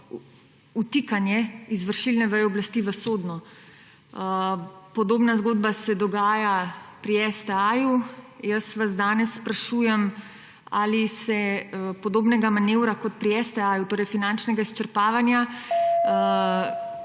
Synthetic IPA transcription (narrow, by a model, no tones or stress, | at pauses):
ut̪ikanjɛizʋəɾʃilnɛʋəjɔblast̪iʋəsoːd̪nɔ | pɔd̪oːbnazɡod̪̚basɛd̪ɔɡaːjapɾiɛsd̪ɛajujəsʋazd̪aːnɛsːpɾaʃuːjɛm | a̰lisɛpɔd̪oːbnɛɡamaneːwɾakɔt̪̚pɾiɛsd̪ɛaːjut̪oːɾɛjfinant͡ʃnɛɡaist͡ʃəɾpaːʋanja